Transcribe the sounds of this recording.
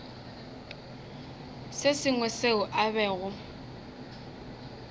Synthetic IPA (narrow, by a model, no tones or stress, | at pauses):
sɪsɪŋwɛseʊʔaβɛːɣʊ